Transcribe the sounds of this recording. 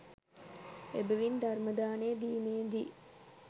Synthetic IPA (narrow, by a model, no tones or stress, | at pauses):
ebəʋind̪arməd̪aːneːd̪iːmeːd̪i